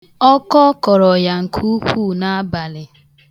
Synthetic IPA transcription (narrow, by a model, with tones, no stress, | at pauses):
ɔ˦kɔ˦kɔ˨ɾɔ˨ja˨ŋ̩˨kʰu˦kʷu˦˨na˦a˦ba˨lɪ˨